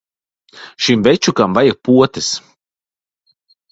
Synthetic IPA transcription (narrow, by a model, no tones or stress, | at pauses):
ʃimvɛt͡ʃukamvajak̚puɔt̪ɨs